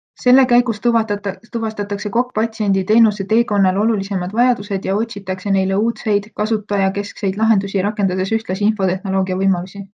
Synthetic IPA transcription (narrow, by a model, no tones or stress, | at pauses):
se̞lːe̞kæjɡust̪t̪uvɑst̪ɑt̪ːˑɑkse̞ko̞kːˑpɑt̪ʲsie̞nʲd̪̥it̪e̞ːnuse̞t̪e̞ːko̞nːɑlo̞lulisemɑd̪̥vɑjɑd̪use̞d̪̥jɑo̞tʲsit̪ːˑɑkse̞ne̞jle̞uːt̪se̞jd̪̥kɑsut̪ːˑɑjɑke̞skse̞jd̪lɑɦe̞nd̪usʲiɾɑkːˑe̞nd̪̥ɑd̪̥e̞syht̪lɑsiinfo̞t̪e̞hno̞lo̞ːɡiɑvɤjmɑlusʲi